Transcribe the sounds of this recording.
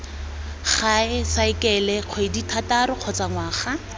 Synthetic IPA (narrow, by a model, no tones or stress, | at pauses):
χaɪsaɪkɛlɛq͡χʰweditʰataɾʊq͡χʰɔt͡saŋwaːχa